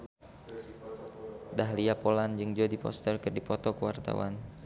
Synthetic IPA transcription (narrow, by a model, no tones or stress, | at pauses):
daɦliapoland͡ʒɨŋd͡ʒodipɔ̰st̪ərkɨrdipɔt̪ɔkəwart̪a̰wa̰n